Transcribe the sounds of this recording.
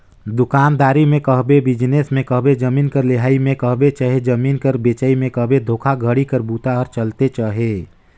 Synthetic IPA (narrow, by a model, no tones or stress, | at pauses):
d̪ʊkaːnd̪aːɾimẽkəɦbebɪd͡ʒnesmẽkəɦbed͡ʒəmiːnkəɾleɦaːimẽkəɦbet͡ʃaɦed͡ʒəmiːnkəɾbet͡ʃəimẽkəɦbed̪ʱoːkʰaɡʱəɽikəɾbut̪aɔɾt͡ʃəlt̪et͡ʃaːɦe